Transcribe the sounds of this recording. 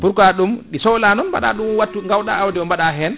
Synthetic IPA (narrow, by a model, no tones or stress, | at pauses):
puɾkaɗumɗisɔwlanɔnba̰ɗa̰ɗumwatːuŋɡawɗaːwdiɔmbaɗaɦɛn